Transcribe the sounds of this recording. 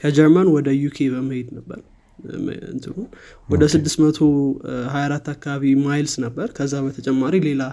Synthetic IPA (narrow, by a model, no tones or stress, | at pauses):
kʰəd͡ʒɛɾmanwɔd̪əjukʰe̞bəməhe̞d̪nəbːə̰ɾ | m̰ɨ̰nt̪ʰɨhun | wɔd̪əsɨd̪ːɨst̪mət̪ʰoɦajaɾat̪ːakːaβaβimajlsnəbːəɾkʰəzːabət̪ʰət͡ʃʼɛmːaɾile̞la